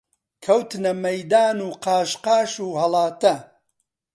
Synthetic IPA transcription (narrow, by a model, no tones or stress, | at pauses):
kʰɐwt̪nɐmɐjd̪aːnuːqɑːʃqɑːʃuːhɐlˠɑːt̪ɐ